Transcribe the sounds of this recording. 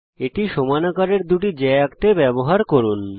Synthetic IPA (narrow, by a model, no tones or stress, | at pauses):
eʈiʃomanakaɾeɾd̪uʈid͡ʑɛakt̪ebɛboɦaɾkoɾun